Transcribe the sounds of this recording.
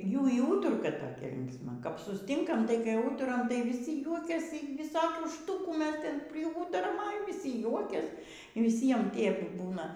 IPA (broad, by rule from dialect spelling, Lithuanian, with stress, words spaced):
ˈjuː iː ˈuːtʊrkɐ toːˈkʲɛ lʲɪŋksˈmɐ kɐp sʊsʲˈtʲɪŋkɐm tɐɪ kɐp ˈuːtʊrɐm tɐɪ ʋʲiːˈsʲɪ ˈjuɔkʲɛsʲiː ʋʲɪˈsoːkʲuː ˈʃtʊkuː ˈmʲɛs ˈtʲɛn pʲrʲɪˈuːtʊrɐm ɐ jɛʊ ʋʲiːˈsʲɪ ˈjuɔkʲɛs ʋʲɪˈsʲiɛm ˈtʲiɛp ˈbuːnɐ